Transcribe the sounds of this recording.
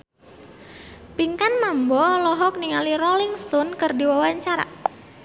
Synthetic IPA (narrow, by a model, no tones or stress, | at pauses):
piŋkanmambɔlɔɦɔk̚niŋalirɔliŋst̪ɔnkərdiwawaɲt͡ʃaɾa̰